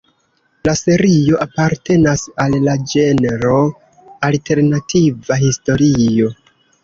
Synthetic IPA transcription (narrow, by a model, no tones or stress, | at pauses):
lase̞ɾio̞ʔapaɾte̞nasalːad͡ʒe̞neɾo̞ | alte̞ɾnatʰivahisto̞ɾijo̞